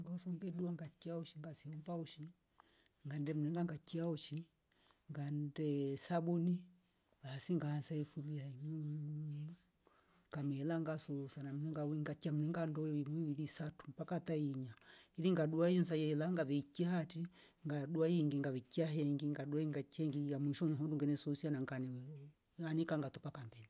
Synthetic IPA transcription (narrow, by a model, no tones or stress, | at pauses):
ŋɡasɔŋɡɛɗuaŋɡat͡ʃiauʃiŋɡasiɔmpauʃi | ŋɡandɛm̩ulɛŋɡaŋɡat͡ʃiauʃi | ŋɡandɛsabuni | baːsiŋɡaansaɛfuβiaimumu | kamɛlaŋɡasɔsanam̩lɛŋɡawiŋɡat͡ʃiam̩ulɛŋɡandɔwimwiwiðisatu̥mpakataiɲaiðiŋɡaɗuaiɔnsajɛlaŋɡaβɛkiahati | ŋɡaɗuajiŋɡiŋɡaβɛkiaɦɛŋɡiŋɡaɗuaiŋɡat͡ʃɛŋɡijamiʃɔɲɦɔnduŋɡɛnɛsɔsianaŋɡanɛ | anikaŋɡatɔpakambɛni